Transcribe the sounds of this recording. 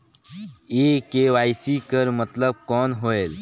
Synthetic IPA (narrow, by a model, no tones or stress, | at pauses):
ekeʋaːjsikəɾmət̪ləb̚kɔːnɦoel